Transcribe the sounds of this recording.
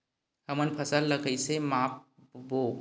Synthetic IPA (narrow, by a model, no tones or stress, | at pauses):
həmənpʰəsəlːəɡəisemaːp̚ | boːɡ